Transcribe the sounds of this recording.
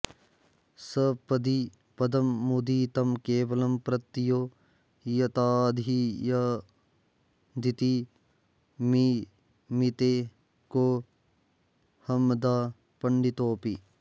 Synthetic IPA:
sɐpɐd̪i | pɐd̪ɐmːud̪iːt̪ɐmkeːʋɐlɐmpɾɐt̪ːijoː | jɐt̪aːd̪ʱijɐ | d̪it̪i | mi | mit̪eː | koː | hɐmd̪aː | pɐɳɖit̪oːpi

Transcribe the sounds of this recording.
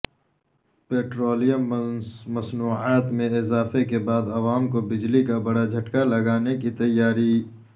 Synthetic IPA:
peːʈɾoːlijəmmɐsnuːaːt̪mẽɪzaːfekebaːd̪ɐʋaːmkobɪd͡ʒlikabɐɽad͡ʒʱɐʈkalɐɡaːnekit̪ɐjːaːɾi

